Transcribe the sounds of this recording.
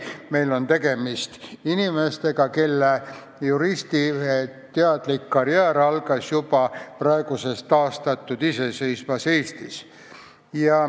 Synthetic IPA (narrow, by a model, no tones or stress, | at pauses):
me̞jlo̞nt̪e̞ɡ̥e̞mist̪inime̞st̪e̞ɡ̥ɑke̞lːe | juɾist̪it̪eɑd̪̥likːɑɾjæːɾɑlɡ̥ɑsjub̥ɑprɑe̞ɡ̥use̞st̪ːɑːst̪ɑt̪ːˑud̪̥ise̞se̞jsmɑse̞ːst̪is | jɑ